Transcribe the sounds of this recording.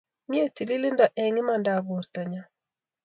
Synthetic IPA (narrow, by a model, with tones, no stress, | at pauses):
mje˦ti˨li˦lɪ˦nda˨ʔɛ˨ŋɪ˦ma˨nda˨bo˨ɾt̪a˨ɲa˨